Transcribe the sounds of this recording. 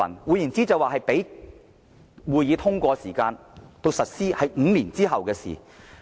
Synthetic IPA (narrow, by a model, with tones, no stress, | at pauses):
ɐ̰˨˩nwuː˨˧ji˨˩nt͡siː˥t͡sɐ˨waː˨ɦɐ˨jpe˨˥j | wuː˨˧jiː˨˧t̪ʰʊ˥ŋkʷɔː˧siː˨˩kaː˧n | t̪o˧wsɐ˨t̚siː˥hɐ˨jŋ̩ː˨˧liː˨˩nt͡siː˥ɦɐ˨wkɛː˧sḭː˨˩